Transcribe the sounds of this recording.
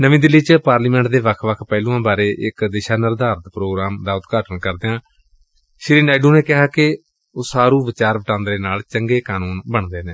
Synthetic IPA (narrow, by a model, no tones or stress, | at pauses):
nəʋĩːd̪ɪlːiːt͡ʃpaːɾliːmɛ̃ːɳʈ̚d̪eːʋəkʰʋəkʰpɛːlũːãːbaːɾeːʔɪkd̪eːʃaːnəɾd̪aːɾt̪pɾoːɡɾaːmd̪aːʊt̪ɡaːʈənkəɾd̪eːãː | ʃɪɾiːnɛːɖuːneːkɪɦaːkɪ | oːsaːɾũːʋɪt͡ʃaːɾʋəʈãːnd̪ɾeːnaːlt͡ʃəŋɡeːkaːnuːnbəɳd̪eːnẽː